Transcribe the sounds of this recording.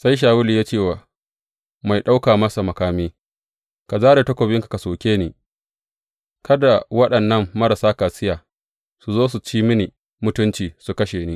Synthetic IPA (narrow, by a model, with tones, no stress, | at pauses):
sa˦jʃ̬aː˨wʊ˦li˨jaː˦t͡ʃeː˦˨waː˨ | ma˨jɗa˦wkaː˨mɐ˦sa˨mɐ˨kaː˨miː˦ | ka˨zaː˦ɾe˨tɐ˦kʷo˨bɪ˦ŋka˨ka˨soː˨kʲeː˦niː˦ | kʰɐ˦da˨wɐ˦ɗɐ˨nːɐ˦mːɐ˦ɾɐ˨saː˦ka˨sɪ˦jaː˨ | su˨zoː˦su˨t͡ʃiː˦mɪ˦ni˨ | mʊ˦tʊ˦nt͡ʃiː˨su˨kɐ˦ʃeː˨ni˦